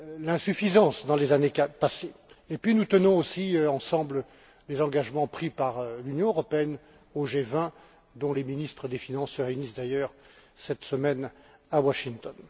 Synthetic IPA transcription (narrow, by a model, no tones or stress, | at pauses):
lɛ̃syfizɑ̃sd̪ɑ̃lezanepaseepɥinut̪ənɔ̃osiøɑ̃sɑ̃blə | lezɑ̃ɡaʒmɑ̃pχipaʁlynjɔ̃øʁɔpeɛn | oʒevɛ̃ | d̪ɔ̃leminist̪χəd̪efinɑ̃sːəʁeynisd̪ajœʁsɛt̪səmɛnawaʃiŋt̪ɔn